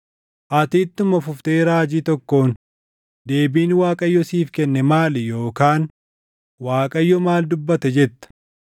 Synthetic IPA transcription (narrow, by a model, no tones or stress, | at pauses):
ʔɐt̪iːt̪ːʊmɐfʊft̪eːɾaːd͡ʒiːt̪ɔkːo̞ːn | d̪e̞ːbiːnwaːkʼɐjːɔsiːfkɛnːɛmaːljo̞ːkaːn | waːkʼɐjːɔmaːld̪ʊbːɐt̪ɛd͡ʒɛt̪ːɐ̥